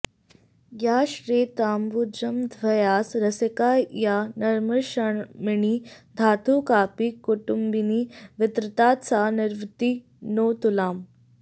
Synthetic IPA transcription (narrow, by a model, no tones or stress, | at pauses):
ɡjaɕɾeːt̪aːmbud͡ʑəmd̪ʱʋɐjaːsɾəsəkajanɐɾməɾɕəɳmiɳiːd̪ʱaːt̪uːkaːpikːuʈumbiniːʋɪt̪ɾət̪at̪t͡saniɾʋt̪i | not̪ulaːm